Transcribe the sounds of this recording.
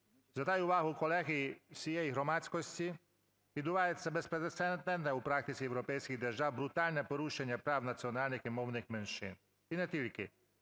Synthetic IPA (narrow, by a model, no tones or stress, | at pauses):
zat̪ajuʋaɦʊukɔlˠɛɣijisijɛjiɦɾɔmasʲkɔsʲtʲi | ʋid̪ʊʋajɛsːɛbɛspɾɛd̪ɛt̪sɛnt̪nɛnnɛupɾakt̪ɪt̪siɛwɾɔpɛjskiɣd̪ɛʒawbɾut̪alʲnɛpɔɾuʃɛɲʲːapɾawnat̪sʲiɔnalʲnɪximɔwnɪxmɛnʃɪ̰n | inɛt̪ilʲkɪ